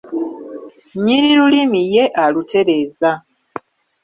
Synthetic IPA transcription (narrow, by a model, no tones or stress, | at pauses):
ɲiɾiɾulimije̞ʔalutʰe̞ɾe̞ːza